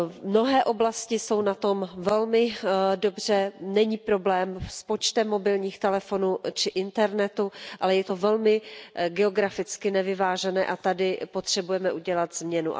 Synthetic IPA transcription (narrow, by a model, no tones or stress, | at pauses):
mno̞ɦɛːʔo̞blascɪso̞wnat̪o̞mvɛlmɪdobr̝̥ɛnɛɲiːpɾo̞blɛːmspo̞t͡ʃt̪ɛmːo̞bɪlɲiːxt̪ɛlɛfo̞nut͡ʃɪʔɪnt̪ɛɾnɛt̪uʔalɛjɛt̪o̞vɛlmɪɡɛo̞ɡɾafɪt͡skɪnɛvɪvaːʒɛnɛːʔat̪adɪpo̞t̪r̥ɛbujɛmɛʔuɟɛlat̪zmɲɛnṵʔa̰